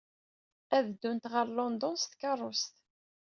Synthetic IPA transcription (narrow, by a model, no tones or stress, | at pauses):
æðd̪ːunt̪ʁəɾlɔnd̪ɔnst̪kɑrˤːʊst̪